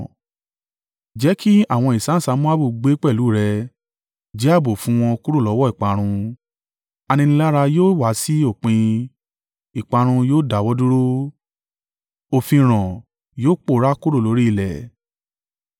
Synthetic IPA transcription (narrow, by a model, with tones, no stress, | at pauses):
d͡ʒɛ˨˦ki˦a˦˨w̃ɔ̃˧˨i˨sã˨˦sa˧˦mũ˦a˦bu˦˨ɡ͡be˦k͡pɛ˦˨lu˨˦˨ɾɛ˧ | d͡ʒi˦a˦˨bo˨fũ˨˦w̃ɔ̃˧ku˦ɾo˦˨lɔ˨˦wɔ˦i˨k͡pa˧ɾ̃ũ˧ | a˧nĩ˧nĩ˧la˦ɾa˧joː˦wa˨˦si˦o˦˨k͡pẽ˧ | i˨k͡pa˧ɾ̃ũ˧joː˦da˨wɔ˦du˦ɾo˦ | o˧fĩ˧ɾ̃ɔ̃˨ | joː˦k͡po˦˨˦ɾa˦ku˦ɾo˦˨lo˨˦ɾi˦i˧˨lɛ̰˨